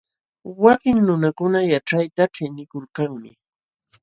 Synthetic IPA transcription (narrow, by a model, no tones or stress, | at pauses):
wakɪŋnʊnakʊnajaʈ͡ʂajt̪aʈ͡ʂɪnɪkoɾkaŋmɪ̰